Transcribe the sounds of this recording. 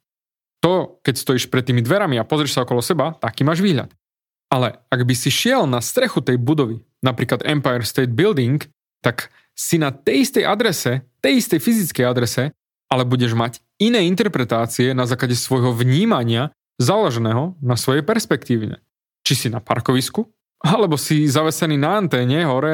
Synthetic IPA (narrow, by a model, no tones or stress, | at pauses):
t̪ɔkɛcst̪ɔjiʃpɾɛt̪ːiːmid̪ʋɛɾamiapɔzɾɛʃsaɔkɔlɔsɛbat̪akiːmaːʒʋiːɦʎa̰t̪ | alɛaɡbisiʃɪɛlnast̪ɾɛxut̪ɛjbud̪ɔʋi | napɾiːklad̪ɛ̰mpajɛɾst̪ɛːd̪̚bild̪iŋk | t̪ak | sinat̪ɛjist̪ɛjʔad̪ɾɛsɛt̪ɛjist̪ɛjfizit͡skɛjad̪ɾɛsɛ | alɛbuɟɛʒmac | inɛːint̪ɛɾpɾɛt̪aːt͡siɛnazaːklaɟɛsʋɔjɦɔʋɲiːmaɲɪa | zaːlɛʒɛnɛːɦɔnasʋɔjɛjpɛɾspɛkt̪iːʋiɲɛ̰ | t͡ʃisinapa̰ɾkɔʋisku | alɛbɔsizaʋɛsɛniːnaːnt̪ɛːɲɛɦɔɾɛ